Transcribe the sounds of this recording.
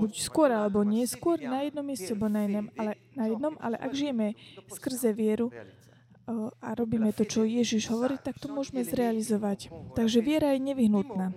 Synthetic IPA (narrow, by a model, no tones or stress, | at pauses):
bucskʊɔɾalɛbɔɲɪɛskʊɔɾnajɛd̪nɔmjɛst͡sɛbɔnajinɛmalɛ | najɛd̪nɔma̰lɛʔaɡʒijɛmɛskr̩zɛʋɪɛɾu | aɾɔbiːmɛt̪ɔt͡ʃɔjɛʒiʒɦɔʋɔɾiːt̪akt̪ɔmʊɔʒmɛzɾɛalizɔʋact̪aɡʒɛʋɪɛɾajɛɲɛʋiɦnut̪naː